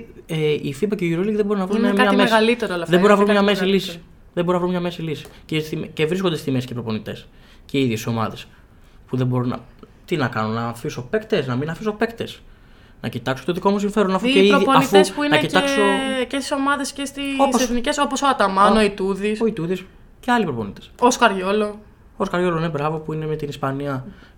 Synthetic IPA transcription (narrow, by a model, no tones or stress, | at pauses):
eifibɐceiuɾolikðebo̞ɾinɐvɾunmɐɐɐmeɣɐlit̪eɾolɐfðeo̞ɾinɐvɾunmmɲɐme̞s̬ilisis | ðebo̞ɾinɐvɾumɲɐmesilisi̥sceimcevɾiskond̪esimesceipɾo̞po̞nit̪e̞̰s | ceiðjesiso̞mɐ̰ðe̞s | puðebo̞ɾunɐ̰t̪inɐkɐnunnɐfiso̞pekt̪e̞snɐminɐfisopekt̪e̞̰s | nʔɐ̰cit̪ɐksot̪oðiko̞mus̬iɱfe̞ɾonɐfueɾoðponifuspuinɐecitɐksocest̪i̥somɐðe̞scest̪iosseθniceso̞posoɐt̪ɐmɐnoit̪uðisoit̪uðis | ceɐlipɾo̞po̞nit̪e̥soskɐɾʝo̞lo | oskɐɾʝo̞lone̞bɾɐvo̞puinemet̪inispɐniɐ